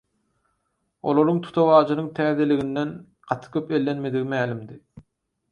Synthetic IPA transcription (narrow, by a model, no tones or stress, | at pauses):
o̰lˠo̞ɾuŋt̪ʰu̥t̪ʰɑβɑːd͡ʒɯnɯŋt̪ʰæːðe̞liɣind̪en | ɢ̥ɑt̪ʰɯ̥kʲʰøpe̞lːe̞nme̞d̪iɣimæːlimd̪i